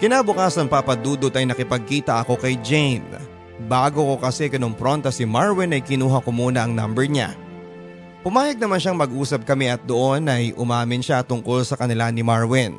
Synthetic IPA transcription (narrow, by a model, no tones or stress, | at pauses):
kɪnaːbʊkaːsɐnpapɐd̪uːd̪ot̪ɐjnɐkɪpɐɡ̚kiːt̪ɐʔɐko̞kɐjd͡ʒɛjn | baːɡoko̞kɐsɛkɪnompɾo̞nt̪ɐsɪmaɹwɪnɐjkɪnuːɦɐkomuːnɐʔɐŋna̰mbɛɹɲa̰ | pʊmaːjɐɡ̚nɐmanʃaŋmɐɡʔuːsɐp̚kɐmɛʔɐt̪̚d̪oʔo̞nɐjʔʊmaːmɪnʃat̪ʊŋko̞lsɐkɐnɪlanɪmaɹwɪn